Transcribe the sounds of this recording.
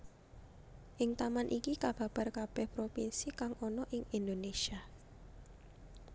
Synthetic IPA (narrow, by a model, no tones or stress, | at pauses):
ʔɪŋt̪amanʔikikab̥a̤b̥a̤rkab̥ɛhpɾopinsikaŋʔɔnɔʔɪŋind̪onesia